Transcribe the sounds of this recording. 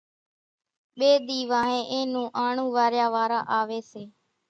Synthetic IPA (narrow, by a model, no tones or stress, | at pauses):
ɓeːɗ̪iːʋãːɦẽːʔẽːnũːʔaːɳũːʋaːɾjaːʋaːɾãːʔaːʋeːseː